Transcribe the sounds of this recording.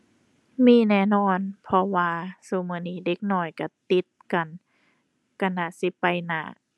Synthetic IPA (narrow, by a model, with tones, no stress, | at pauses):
miː˧˨nɛː˧˩˨nɔː˧˨npʰɔ˧waː˧su˧˦mɯː˧˨niː˧˩˨de˧˦k̚nɔː˧˩jka˧˩t̪i˧˦t̪̚ka˨n | ka˧˨naː˧˩si˧˦pa˧jna̰ː˧˩